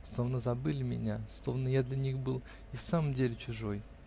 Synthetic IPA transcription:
slˠovnəzɐbɨlʲɪmʲɪ̰nʲaslˠovnəjad̪lʲanʲixbɨlˠ | ifsaməmdʲelʲɪt͡ɕʊʐo̞j

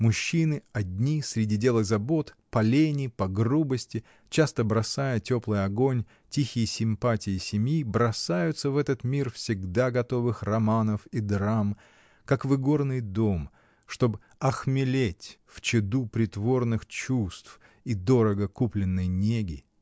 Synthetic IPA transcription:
mʊɕːinɨɐdʲnʲisɾʲɪdʲidʲe̞lˠɨɣzɐbo̞t̪pɐlʲenʲɪpɐɡrubəsʲtʲɪ | t͡ɕast̪əbɾɐsajətʲo̞plˠɨjɐɡo̞nʲ | tʲixʲɪjəsʲɪmpatʲɪjɪsʲɪmʲjibɾɐsajʊt̪səvɛt̪ət̪mʲirfsʲɪɡd̪aɡɐt̪o̞vɨxrɐmanəfid̪ɾam | kakvɨɡo̞rnɨjd̪o̞m | ʂt̪o̞b | ɐxmʲɪlʲetʲft͡ɕɪd̪upɾʲɪt̪vo̞rnɨxt͡ɕust̪f | id̪o̞ɾəɡəkuplʲɪnːɨjnʲeɡʲɪ

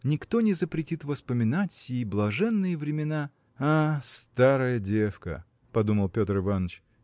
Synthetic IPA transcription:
nʲɪkt̪o̞nʲɪzəpɾʲɪtʲit̪vəspəmʲɪnatʲsʲjejblˠɐʐɛnːɨjəvɾʲɪmʲɪna | ast̪aɾəjədʲefkə̰ | pɐd̪uməlˠpʲo̞t̪rɨvanət͡ɕ

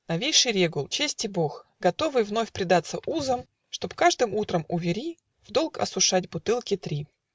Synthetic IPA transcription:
nɐvʲejʂɨjɾʲeɡʊlˠt͡ɕesʲtʲɪboxɡɐt̪o̞vɨvno̞fʲpɾʲɪd̪at̪səʔuzəm | ʂt̪o̞pkaʐd̪ɨmut̪ɾəmʊvʲɪɾʲi | vd̪o̞lˠkɐ̰sʊʂatʲbʊt̪ɨlˠkʲɪt̪ɾʲi

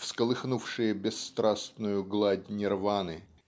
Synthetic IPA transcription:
fskəlˠɨxnufʂɨjəbʲɪsːt̪ɾasnʊjʊɡlˠadʲnʲɪrvanɨ

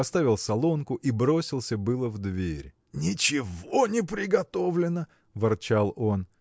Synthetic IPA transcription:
ɐst̪avʲɪlˠsɐlˠonkʊʔibɾo̞sʲɪlˠsʲəbɨlˠəvd̪vʲeɾʲ | nʲɪt͡ɕɪvonʲɪpɾʲɪɡɐt̪o̞vlʲɪnə | vɨrt͡ɕalˠo̞n

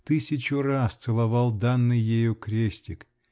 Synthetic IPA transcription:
t̪ɨsʲɪt͡ɕʊrast̪sɨlˠɐvalˠd̪anːɨjːejukɾʲesʲtʲɪk

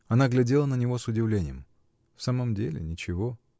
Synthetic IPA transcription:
ɐnaɡlʲɪdʲelˠənənʲɪvo̞sʊdʲɪvlʲenʲɪ̰jəm | fsaməmdʲelʲɪ̰nʲɪt͡ɕɪvo̞

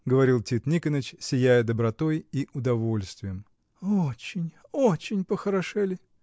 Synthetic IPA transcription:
ɡəvɐɾʲilˠtʲit̪nʲikənət͡ɕsʲɪjæjəd̪əbɾɐt̪o̞jiʔʊd̪ɐvo̞lʲst̪vʲɪjəm | ot͡ɕɪnʲ | ot͡ɕɪnʲpəxəɾɐʂɛlʲɪ

